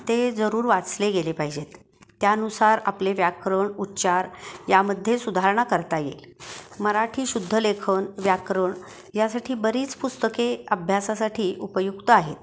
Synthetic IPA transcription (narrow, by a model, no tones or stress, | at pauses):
t̪ed͡zəɾuːɾʋat͡sleɡelepaɦid͡ʑet̪ː | jaənusaɾa̰pleʋjakɾəɳutːaɾjaməd̪ʱːjesud̪ʱaɾɳakəɾt̪ajḛl | məɾaʈʰiːɕud̪ʱːəlekʰəɳʋjakɾəɳ | jasaʈʰiːbəɾiːt͡spust̪əkeəbʱjasasaʈʰiːʔupəjukt̪əaɦet̪̚